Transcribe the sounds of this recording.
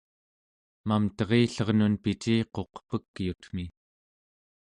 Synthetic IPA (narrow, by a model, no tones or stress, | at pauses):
mamt̪ʌʁeːɬʌʁnunpit͡ʃiːqo̞qpəkːjut̪m̥i